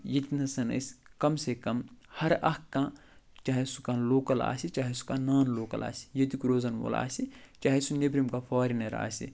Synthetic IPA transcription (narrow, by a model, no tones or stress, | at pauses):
jɐt̪inɐsɐnɐ̰skɐmsekɐmhɐɾɐkːãː | t͡ʃaːɦesukãːloːkɐla̰ːsit͡ʃaːɦesu̥kãːnaːnloːkɐ̰la̰ːsi̥jɐt̪ikɾoːzɐnʋo̰la̰ːsit͡ʃaːɦesunebɾimkapʰaːɾinɐɾa̰ːsḭ